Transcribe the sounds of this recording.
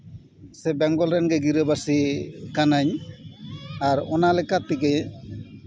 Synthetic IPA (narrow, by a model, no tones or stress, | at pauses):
sɛbɛŋɡɔlɾɛnɡɛɡiɾəbasikanaɲ | aɾɔnalɛkat̪ikɛ